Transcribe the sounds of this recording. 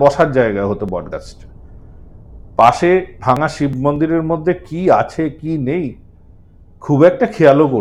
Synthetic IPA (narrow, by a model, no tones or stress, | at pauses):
bɔʃaɾd͡ʑaeɡaeɦot̪obɔɖɡa̰sʈ | paʃebʱaŋaʃibʱmond̪iɾeɾmod̪ʱːekiat͡ɕʰekinej | kʰubɛk̚ʈakʰialoko